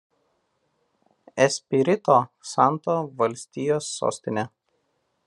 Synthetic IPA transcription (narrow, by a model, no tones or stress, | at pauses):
ɛsʲpʲɪɾʲɪt̪oːsɑˑnˑt̪oːʋɐlʲsʲt̪ʲijoːsːo̰ːsʲt̪ʲɪnʲɛ